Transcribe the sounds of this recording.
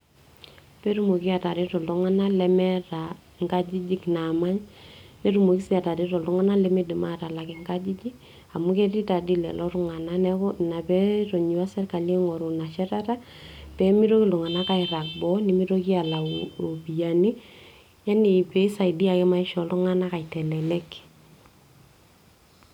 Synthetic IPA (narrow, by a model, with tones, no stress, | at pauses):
pɛ˦ɾu˦mo˨ki˦a˨ta˨ɾi˦tɔ˨lu˦ŋa˦na˦lɛ˦mɛ˦ɾa˨ | ŋɡa˦d͡ʒi˦d͡ʒi˦kna˨ma˦ɲnɛ˦ɾu˦mo˨ki˦si˦a˨ta˨ɾi˦tɔ˨lu˦ŋa˦na˦lɛ˦me˦di˨ma˦ta˨la˨kɪ˨ŋɡa˦d͡ʒi˦d͡ʒi˦ | a˨mu˦kɛ˦ti˦ta˨di˦lɛ̰˨lɔ˦ɾʊ˦ŋa˨na˦nɛ˦na˨pɛ˦ɾo˨ɲi˨wa˦sɛ˦rka˨le˦ŋɔ˨ɾu˨na˨ʃɛ˦ɾa˦ta˦ | pɛ˦mi˦ɾo˦ki˦lu˨ŋa˨na˦ka˦ɪɾa˨k̚bɔ˦ni˨mi˦ɾo˦ki˦a˨la˨o˨bi˨ja˨ni˦ | ja˦ni˨pɛ˦i˦sa˨idi˦a˨kɛ˦ma˦i˦ʃɔ˨lu˦ŋa˦na˦ka˨i˨tɛ˨lɛ˨lɛ˦k